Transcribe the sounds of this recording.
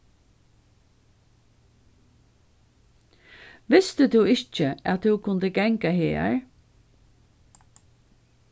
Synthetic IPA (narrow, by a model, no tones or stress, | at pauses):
ʋɪst̪əd̪uːɪçt͡ʃəæt̪̚d̪uːkʰʊnd̪əɡɛŋkaɦḛːɹ